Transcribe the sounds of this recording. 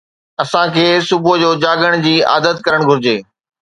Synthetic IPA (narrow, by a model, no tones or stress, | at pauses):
ɐsãkʰeːsʊbʱod͡ʑoːd͡ʑaːɠəɽ̃d͡ʑiːa̰ːd̪ət̪kɐɾəɽ̃ɡʱʊɾɪd͡ʑeː